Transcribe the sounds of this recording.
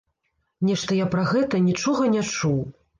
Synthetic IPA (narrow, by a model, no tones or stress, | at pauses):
nʲɛʂt̪ɐjapɾɐɣɛt̪ɐnʲit͡ʂɔɣɐnʲat͡ʂuw